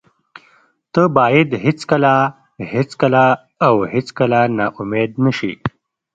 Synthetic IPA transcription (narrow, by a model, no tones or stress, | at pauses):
t̪əbɑjed̪ɦɪt͡skəla | het͡skəlaː | whɪt͡skəlanaʔʊmed̪nəʃḭ